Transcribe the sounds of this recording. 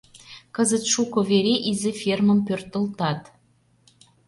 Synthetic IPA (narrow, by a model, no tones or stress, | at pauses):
kə̆zə̆t̪ʃukŏveɾeʔizʲɘfʲermə̆mpørt̪ə̆lt̪ɑt̪